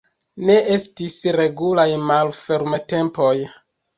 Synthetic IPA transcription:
ne̞ʔe̞stisɾe̞ɡulajmalfe̞ɾmate̞mpo̞j

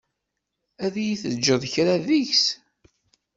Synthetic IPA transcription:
æðæjiθəd͡ʒːəðˤçɾaðiçs

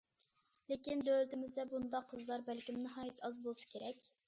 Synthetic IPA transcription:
lekʲind̪ølt̪ɪmɪzd̪ɛbund̪ɑqʰːəzlˠɑɾbælkʲimnɨɦɑːjit̪ʰɑzbolˠʃɨ̥kʲʰeɾɛkʲ

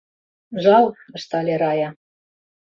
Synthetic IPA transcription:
ʒɑlˠə̆ʃt̪ɑlʲeɾɑjɑ

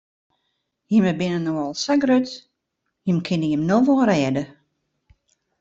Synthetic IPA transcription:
jəməbɪnənoɔlˠsaɡrøt | jəmkʰɪnəjəmnoʋɔlˠrɛːdə

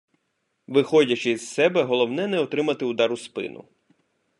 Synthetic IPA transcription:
ʋɪxɔdʲɐt͡ʃɪzsɛbɛɦɔlˠɔwnɛnɛɔt̪ɾɪmɐt̪ɪud̪ɑɾʊspɪ̰nʊ̰

